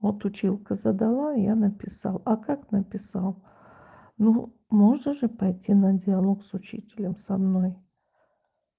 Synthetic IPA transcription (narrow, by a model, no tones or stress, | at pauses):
vot̪ʊt͡ɕilˠkəzəd̪alˠajanəpʲɪsa̰lˠakaknəpʲɪsalˠ | nu | moʐnəʐɨpɐjtʲinədʲɪɐlˠoksʊt͡ɕḭtʲɪlʲəmsɐmnoj